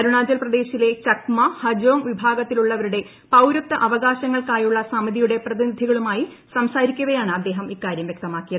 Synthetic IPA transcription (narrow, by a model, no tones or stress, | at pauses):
ɐɾuɳaːd͡ʑɐlprɐd̪e̞ːɕile̞t͡ɕɐkmɐhɐd͡ʑoːŋʋibʱaːɡɐt̪ːiluɭːɐʋɐɾuɽe̞ | pɐwɾɐt̪ːɐʔɐʋɐɣaːɕɐŋːɐɭkaːjuɭːɐsamɐðijuɽe̞prɐðinid̪ʱiɣɐɭumaːjisɐmsaːɾikʲːuɣɐjaːɳɨɐd̪ːe̞ːɦɐmikːaːɾjɐmʋje̞k̚t̪ɐmaːkːijɐðɨ